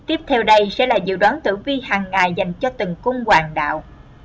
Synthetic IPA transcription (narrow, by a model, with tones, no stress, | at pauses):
t̪i˦˥əp̚t̪ʰɛ˧wɗə˧jsɛ̰˧˥laː˨˩zɨ̰˧˨ɗwaː˨˦nt̪ɨ̰˧˩vi˧ɦaː˨˩ŋːaː˨˩jza˨˩jŋ̟t͡ɕɔ˧t̪ɨ˨˩ŋkʊ˧ŋ͡mkwaː˨˩ŋɗa̰ː˧˨wʔ